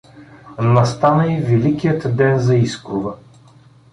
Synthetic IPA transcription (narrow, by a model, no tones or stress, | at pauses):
nɐst̪anəivɛlikijət̪d̪ɛnzɐiskɾʊvə